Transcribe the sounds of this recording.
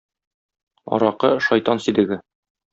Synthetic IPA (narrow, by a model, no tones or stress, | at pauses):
ɒ̰ɾɑqɤʃɒjt̪ɑnsid̪ɘ̆ɡɘ